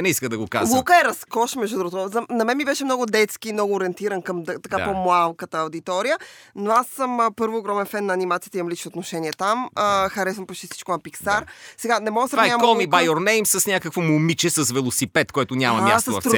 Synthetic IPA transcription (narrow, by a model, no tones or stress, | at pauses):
nɛiskəd̪ɐɡoka̰zlˠukəɛɾɐskɔʃmɛʒd̪ud̪ɾuɡot̪zɐnɐmɛnmibɛʃɛmnɔɡʊd̪ɛt̪skiːmnɔɡoːɾiɛnt̪iɾɐnkɐmt̪ɐkapomlˠalˠkət̪əːwd̪it̪ɔɾijənoasːəmpɤɾvoːɡɾɔmɛnfɛnːɐːnimat̪sijət̪imɐmlit͡ʃnot̪noʃɛniɛt̪aməxɐɾɛsɐmpot͡ʃt̪isi̥t͡ʃkonɐpiksaɾsɛɡanɛmɔɡəsɾaɲamkɔlˠmibajoɾnɛjmsɐsnʲakəkvomomit͡ʃɛsɐsvɛlˠosipɛt̪koɛt̪ʊɲʲamɐmma̰st̪ːovɐ̰ft̪ɛ